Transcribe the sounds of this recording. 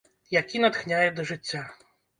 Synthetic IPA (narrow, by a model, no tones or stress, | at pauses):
jakʲinɐt̪xnʲajɛd̪ɐʐɨt͡sʲːa